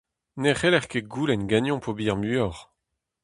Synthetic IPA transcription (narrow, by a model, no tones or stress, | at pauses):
neʁelɛʁkeɡulɛnɡanjɔ̃pʰobiʁmyɔʁ